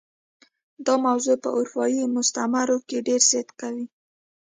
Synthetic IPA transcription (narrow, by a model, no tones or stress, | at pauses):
d̪ɑmawzopə̰ʔʊɾfɑjimʊst̪amaɾokeɖeɾzɪt̪kawi